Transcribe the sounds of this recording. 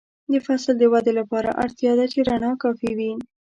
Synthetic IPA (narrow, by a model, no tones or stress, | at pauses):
d̪əfasld̪əwad̪elapɑɾa̰ʔa̰ɾt̪jɑd̪at͡ʃeɾanɑkɑfiwi